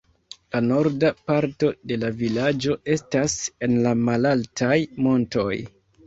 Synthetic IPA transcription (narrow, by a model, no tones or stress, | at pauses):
lano̞ɾdapaɾto̞de̞lavilad͡ʒo̞e̞stase̞nlamalaltʰajmo̞nto̞j